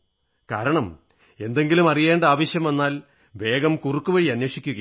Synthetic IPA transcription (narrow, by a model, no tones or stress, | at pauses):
kaːɾɐɳɐm | e̞nd̪e̞ŋɡilumɐrije̞ːɳɖɐaːʋɐɕjɐme̞nːaːl | ʋe̞ːɡɐmkurukːuʋɐɻiɐnːeːʂikʲːuɣɐ